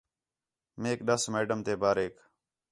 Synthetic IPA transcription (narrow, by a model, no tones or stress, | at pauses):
meːkɗəsmeːɖəmt̪eːbaːɾeːk